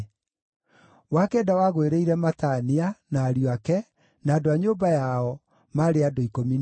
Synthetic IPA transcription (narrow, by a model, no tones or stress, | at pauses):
wakɛːdawaɣoeɾeiɾɛmatanianaːɾjoakɛ | naːdoaɲoːbajaɔ | maɾeadoikomin